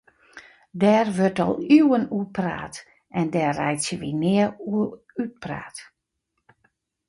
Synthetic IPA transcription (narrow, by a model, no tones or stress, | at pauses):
dɛːrʋørtɔ̰lˠywənupra̰ːt | ʔɛndɛːɛjtsjəʋinɪəu | yt̚pra̰ːt